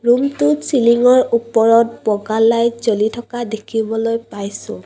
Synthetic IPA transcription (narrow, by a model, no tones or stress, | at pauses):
ɹumtʊsiliŋɔɹupɔɹɔt̚bɔɡalːajzolitʰɔkadekʰibɔlojpajsʊ̃